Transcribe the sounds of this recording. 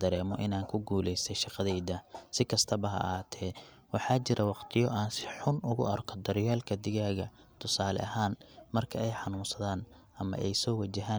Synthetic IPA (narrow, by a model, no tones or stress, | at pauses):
d̪ɐɾɛːmɔʔɪnaːŋkʰʊɡuːlɛjsɛjʃɑqɑðɛjd̪ɐsɪkʰɐst̪ʰɐβɐɦɐ̰haːt̪ʰɛː | wɑħɑːt͡ʃɪɾɐwɑqt̪ʰɪjɔʔaːnsɪ̥ħʊnʔʊɣʊ̰ʔɐrkʰɔd̪ɐɾɪjɛːlkʰɐd̪ɪɣaːɣɐ | t̪ʰʊsaːlɛ̰ɐɦaːnmɐrkʰɐɛjħɑnuːnsɐðaːn | ʔɐmɐ̰ʔɛjsɔːwɐt͡ʃɐɦaːn